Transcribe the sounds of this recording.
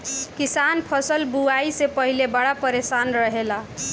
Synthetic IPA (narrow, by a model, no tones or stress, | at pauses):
kisanpʰəsəlbuaisepəɦilebaɽapəɾesanɾəɦela